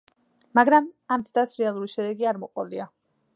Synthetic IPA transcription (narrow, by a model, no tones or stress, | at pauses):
maɡɾamamt̪sʰʼd̪asɾɛalˠuɾiʃɛd̪ɛɡiaɾmɔqʼɔlia